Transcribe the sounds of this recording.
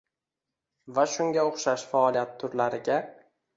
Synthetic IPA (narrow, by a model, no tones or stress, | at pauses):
vaʃʊŋɡʲaoχʃaʃfaɒlˠijat̪ʰːʊɾlaɾɪɡʲa